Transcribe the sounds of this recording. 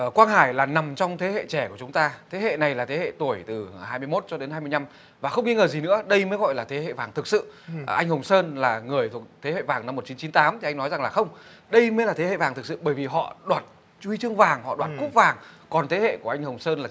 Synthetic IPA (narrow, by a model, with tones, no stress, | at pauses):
kwaː˧nhaː˧˩jlaː˨˩na˨˩mt͡ɕɔ˧wŋ͡mt̪ʰe˨˦hḛ˧˨t͡ɕɛ˧˩ku˧˩ət͡ɕʊ˨˦ŋ͡mt̪aː˧t̪ʰe˨˦hḛ˧˨na˨˩jlaː˨˩t̪ʰe˨˦hḛ˧˨t̪u˧˩əjt̪ɨ˨˩haː˧jmɨ˧jmo˦˥t̚t͡ɕɔ˧ɗe˨˦na˧jmɨ˧əjna˧m | vaː˨˩xə˧wŋ͡mŋi˧ŋəː˨˩zi˨˩nɨ̰˧˥əɗə˧jməː˨˦jɣɔ̰˧˨jlaː˨˩t̪ʰe˨˦hḛ˧˨vaː˨˩ŋt̪ʰɨ˨˩k̚sɨ̰˧˨ʔa˧jŋhə˨˩wŋ͡msəː˧nlaː˨˩ŋɨ˨˩əjt̪ʰu˨˩ə˩k̚t̪ʰe˨˦hḛ˧˨vaː˨˩ŋna˧mːo˨˩t̚t͡ɕi˨˦nt͡ɕi˨˦nt̪aː˨˦mt̪i˨ʔa˧jŋ̟nɔ˨˦jza˨˩ŋlaː˨˩xə˧wŋ͡m | ɗə˧jməː˨˦jlaː˨˩e˨˦hḛ˧˨vaː˨˩ŋt̪ɨ˨˩k̚sɨ̰˧˨ɓəː˧˩jvi˨˩ɦɔ̰˧˨ɗwaː˨˩t̚ | t͡ɕi˧t͡ɕɨ˧əŋvaː˨˩ŋhɔ̰˧˨ɗwaː˨˩t̚ku˦˥p̚vaː˨˩ŋkɔ˨˩nt̪ʰe˨˦hḛ˧˨ku˧˩əʔa˧jŋ̟hə˨˩wŋ͡msəː˧nlaː˨˩